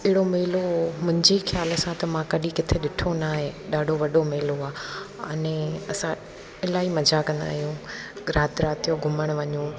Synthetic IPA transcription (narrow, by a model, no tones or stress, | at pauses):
ɪɦɪɽomeːlomʊ̃ɦɪ̃ɲd͡ʑexjaːləsãt̪ɐmãkɐɗĩkɪt̪ʰeɗɪʈʰonaːɦeɗaːɖʱoʋɐɗomeːloaːɐ̰nɛ̃ɐsã | ɪlaːimɐd͡ʑʱakɐ̃nd̪a̰ːɦijũɠɾaːt̪ɾaːt̪ijoɡʱʊməɽ̃ʋɐɲũ